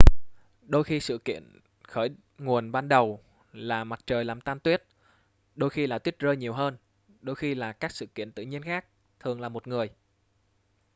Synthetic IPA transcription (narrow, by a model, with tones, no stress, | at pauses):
ɗo˧jxi˧sɨ̰˧˨kḭ˧˨ən | xəː˧˩j | ŋu˨˩ənɓaː˧nɗə˨˩w | laː˨˩ma˨˩t̚t͡ɕəː˨˩jlaː˨˩mt̪aː˧mt̪wi˦˥ət̚ | ɗo˧jxi˧laː˨˩t̪wi˦˥ət̚zəː˧jɲi˨˩əwɦəː˧n | ɗo˧jxi˧laː˨˩kaː˦˥k̚sɨ̰˧˨kḭ˧˨ənt̪ɨ̰˧˨ɲi˧ənxaː˦˥k̚ | t̪ʰɨ˨˩əŋlaː˨˩mo˨˩t̚ŋɨ˨˩əj